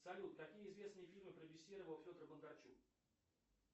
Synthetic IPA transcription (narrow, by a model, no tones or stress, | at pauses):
sɐlʲut̪kɐkʲijəɪzvʲe̞snɨjəfʲilʲmɨpɾəbʲɪsʲːiɾəvəlˠfʲo̞d̪ərbənd̪ɐrt͡ɕuk